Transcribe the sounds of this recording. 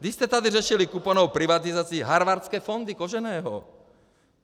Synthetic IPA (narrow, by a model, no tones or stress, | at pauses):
d̪iscɛt̪ad̪irɛʃilikupɔanɔʊpɾiʋat̪izaːt͡siːɦaɾʋaɾt͡skɛːfɔnd̪ikɔʒɛnɛːɦɔ̰